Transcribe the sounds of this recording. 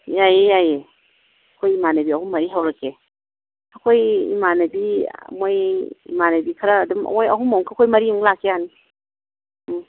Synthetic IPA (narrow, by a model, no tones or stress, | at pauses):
jajejaje | kʰojimanɐbiɐhumːɐɾiɦawɾɐke | ɐkʰojḭmanɐbimojḭmanɐbikʰaɾɐːdum̰ojɐ̰ɦumauŋkʰakʰojmɐɾiuŋlakʰːeani